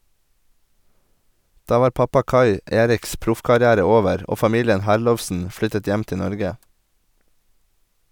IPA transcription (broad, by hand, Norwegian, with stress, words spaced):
ˈdɑː ˈʋɑːɾ ˈpɑpɑ ˈkɑɪ ˈeːɾɪks ˈpɾʊfkɑɾɪˌæːɾə ˈoːʋəɾ ˈoː fɑˈmiːlɪən ˈhæɾˌlɔʋsn̩ ˈflʏtət ˈjɛm ˈtɪ ˈnɔɾɡə